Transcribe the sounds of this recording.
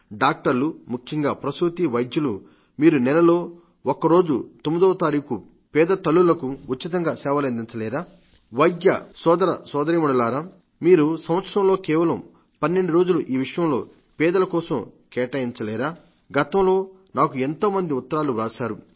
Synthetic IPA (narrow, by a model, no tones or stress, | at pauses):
ɖaːk̚ʈɐɾlumukʰjɐŋɡaːpɾɐsɾut̪iʋɐjd̪julu | miːɾunɛlɐlo̞ː | okɐɾo̞ːd͡ʒṵt̪omid̪ɐːʋɐt̪aːɾiːku | pɛːd̪ɐt̪ɐlːulɐkuuːit̪ɐŋɡaːsɛːʋɐlend̪int͡ʃɐlɛːɾaː | ʋɐjɡjɐ̰sɔːd̪ɐɾɐ̰sɔːd̪ɐɾimɐɽɐlaːɾaː | miːɾusɐmʋɐt̪sɾɐmlo̞ːkɛːʋɐlɐm | pɐnːe̞ɳɖuɾoːd͡ʒuluʔiːʋiʂɐjɐmlo̞̰ː | pɛːd̪ɐlɐkɔːsɐmkɛːʈɐjint͡ʃɐlɛːɾaː | ɡɐt̪ɐmlo̞ː | naːkue̞nt̪o̞ːmɐnd̪iut̪ːɐɾaːluɾaːsaːɾu